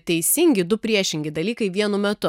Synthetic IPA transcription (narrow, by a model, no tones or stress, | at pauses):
t̪ʲɛɪsʲɪŋʲɡʲɪd̪ʊpʲɾʲiɛʃʲɪŋʲɡʲɪd̪ɐlʲiːkɐɪʋʲiɛnʊmʲɛt̪ʊ